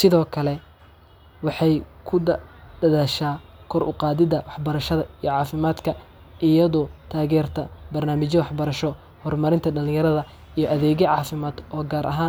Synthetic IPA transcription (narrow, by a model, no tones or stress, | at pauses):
sɪðɔːkʰɐlɛ | wɑħɑjkʰʊɖɐðaːʃaː | kʰɔɾʔʊ̰qɑːðɪðɐwɑħbɐɾɐʃɐðɐijɔʕɑːfɪmaːd̪kʰɐ | ʔɪjɐðɔːt̪ʰaːɣɛːrt̪ʰɐbɐrnaːmɪt͡ʃjɐwɑħbɐɾɐʃɔ | hɔrmɐɾɪnt̪ʰɐɖɐlɪ̃ŋjɐɾɐðɐ | ijɔʔɐðɛːɣɛʕɑːfɪmaːd̪ɔːɡaːɾʔɐ̰ɦaːn